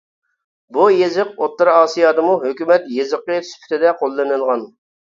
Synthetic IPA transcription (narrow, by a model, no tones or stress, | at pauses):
bujezɪq̚ot̪lˠɨɾɑːsijɑːd̪ɨmuɦøkʲymɛt̪jezəqːəspʰy̥t̪ʰɪd̪ɛqʰolˠːɨnɨlˠʁɑn